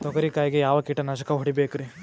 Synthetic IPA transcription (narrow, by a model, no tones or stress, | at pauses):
t̪ɔkɐɾikaːjiɡejaːʋɐkiːʈɐnɐʃɐkɐɦɔɽibeːkɾi